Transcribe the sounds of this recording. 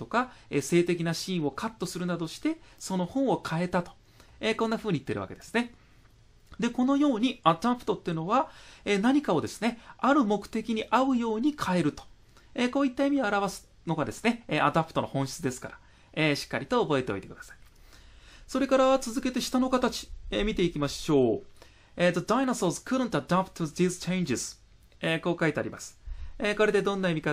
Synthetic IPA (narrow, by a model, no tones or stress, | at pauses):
t̪o̞kaese̞ːt̪e̞kʲinaɕĩːɰ̃o̞kat̪ːo̞sɨɾɯ̟nad̪o̞ɕi̥t̪e̞so̞no̞hõ̞ɰ̃o̞kʰae̞t̪at̪o̞̥ | eko̞nːaɸɯ̟ːɲ̟it̪ːeɾɯ̟βa̰ke̞d̪e̞sɨ̥ne̞ | d̪e̞ko̞no̞jo̞ːɲ̟iat̪apɯ̟̥o̞t̪ːeɯ̟no̞βaenaɲ̟ikao̞d̪e̞sɨ̥ne̞aɾɯ̟mo̞kɯ̟̥t̪e̞kʲiɲ̟iʔaɯ̟jo̞ːɲ̟ikʰae̞ɾɯ̟t̪o̥ | eko̞ːit̪ːaimʲioaɾaβasɨ̥ | no̞ɡad̪e̞sɨ̥ne̞eʔad̪apɯ̥t̪o̞no̞hõ̞ɰ̃ɕi̥t͡sɨd̪e̞sɨ̥kaɾa | eɕi̥kːaɾʲit̪o̞ːbo̞e̞t̪e̞o̰it̪e̞kɯ̟d̪ḁsḁi̥ | so̞ɾe̞kaɾaβat͡sɨzɨke̞t̪e̞ɕi̥t̪ano̞kat̪at͡ɕi̥emʲit̪e̞ikʲimaɕo̞ː | et̪od̪ainasoːzɨ̥kɯɾɯ̃nt̪ad̪apɯ̥t̪od̪iːzɨ̥t͡ɕeĩɲd͡ʑisɨ̥ | eko̞ːkait̪ea̰ɾʲḭmasɨ̥eko̞ɾe̞d̪e̞d̪õ̞nːaimʲika